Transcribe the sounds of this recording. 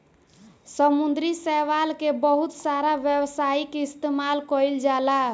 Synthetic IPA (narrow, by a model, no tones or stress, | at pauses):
səmund̪ɾisɛʋalkebəɦut̪saɾaʋjəwsaikist̪emalkɔld͡ʒala